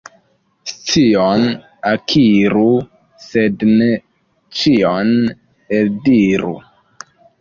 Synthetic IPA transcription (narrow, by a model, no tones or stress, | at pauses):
st͡sion | akʰiɾu | sedne | t͡ʃion | eldiɾṵ